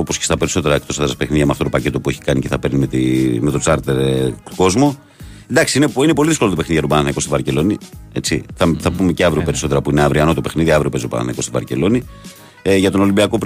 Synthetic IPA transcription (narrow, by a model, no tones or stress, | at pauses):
opo̞scest̪ɐpe̞ɾiso̞t̪e̞ɾɐek̚t̪o̞sðɾɐspe̞xniðʝɐmeɐft̪ot̪opɐce̞t̪o̞pue̞çi̥kɐnice̞θɐpeɾnimet̪me̞t̪o̞st̪ɐɾt̪eɾko̞zmo̞ | end̪ɐksiineinepo̞liðiskolot̪pe̞xniðiʝɐɾubɐnɐnɐiko̞sivɐɾce̞lo̞nie̞t͡siθɐθɐpumeceɐvɾiope̞ɾiso̞t̪e̞ɾɐpuineɐvɾiɐno̞t̪ope̞xniðiɐvɾiopezɾupɐ̰nɐ̰nɐiko̞st̪ivɐɾce̞lo̞ni | ʝɐt̪ono̞limbiɐko̞p